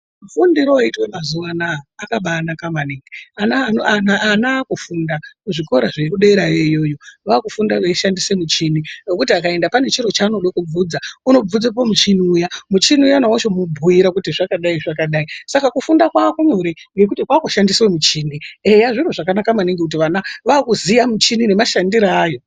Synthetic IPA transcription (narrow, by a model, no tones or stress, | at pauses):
ufundiɾoaitwemazuʋanaːkaɓanakamaniːŋɡianaanaːnaːkufundakuʐiko̞ɾaʐekuɗeeɾajejo̞jo̞ʋaːkufundaʋeiʃandisemut͡ʃininokutiakae̞ndapane̞t͡ʃiɾo̞t͡ʃaːnoɗokub͡vud͡zauno̞b͡vud͡zapamut͡ʃiniujamut͡ʃiniujanawot͡ʃomubʱujiɾakutiʐakaɗaiʐakaɗaisakakufundakwakuɲo̞ɾeŋɡe̞k̬utikwaːkuʃandiswemut͡ʃiːniejaʐinuʐakanakamaniŋɡikut̬iʋanaʋaːkuzijamut͡ʃinine̞maʃandiɾaːjo̞